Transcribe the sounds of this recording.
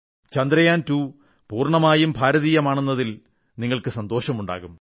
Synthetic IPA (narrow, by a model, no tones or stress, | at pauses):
t͡ɕɐnd̪ɾɐjaːntuː | puːrɳɐmaːjumbʱaːɾɐðiːjɐmaːɳunːɐðil | niŋːɐɭkɨsɐnd̪o̞ːɕɐmuɳɖa̰ːɣum